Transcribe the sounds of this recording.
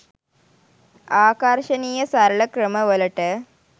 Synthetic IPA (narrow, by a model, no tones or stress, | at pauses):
aːkaɾʂɐniːjɐsɐɾɐɭɐkɾɐmɐʋɐlɐʈɐ